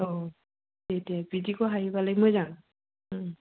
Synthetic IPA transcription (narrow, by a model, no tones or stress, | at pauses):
o | tetijabizikoɦaɦibalaɡimojzaŋ̃